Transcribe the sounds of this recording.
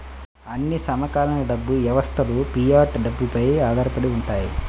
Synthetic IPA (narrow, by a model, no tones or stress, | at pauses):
ɐnːisɐmɐkaːlɐnɐɖɐbːuʋjɐʋɐst̪ʰɐlupijaːɾʈɖɐbːupɐjaːd̪ɐːɾɐpɐɽiuɳʈaːji